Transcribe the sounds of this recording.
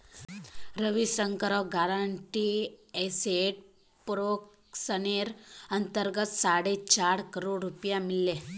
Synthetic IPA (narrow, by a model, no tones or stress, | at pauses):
ɾəʋisəŋkəɾəɡaɾaɳʈieseʈ̚ | pɾok | səneɾənt̪əɾɡət̪saɽet͡ɕaɽkəɾoɽɾupjamilːe